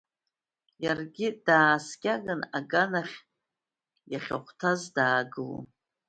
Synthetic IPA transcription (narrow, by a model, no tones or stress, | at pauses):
jarɡʲɪd̥aːskʲaɡɨnaɡanaχʲ | jaχʲa̰χʷʰtʰazdaːɡɨlṵ